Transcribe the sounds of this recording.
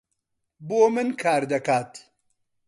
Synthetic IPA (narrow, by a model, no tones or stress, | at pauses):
boːmɨnkʰaːɾd̪ɐkaːt̪